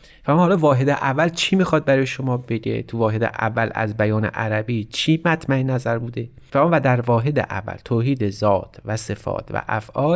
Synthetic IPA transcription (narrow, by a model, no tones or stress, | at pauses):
fæmuhɒːlɒːvɒːɦed̪eʔævːælt͡ʃʰiːmiːxɒːd̪̚bæɾɒːjeʃomɒːbe̞ɟḛt̪ʰuvɒːɦe̞d̪ḛʔæ̰vːælæ̰zbæjɒːne̞̰ʔæɾæbiːt͡ʃʰiːmæt̪ʰmæenæzæɾbuːd̪e̞ | fæmːvæd̪æɾvɒːɦe̞d̪ḛʔæ̰vːæ̰lt̪ʰoːɦiːd̪ezɒːt̪ʰvæse̞fɒ̰ːt̪ʰvæ̰ʔæfʔɒːl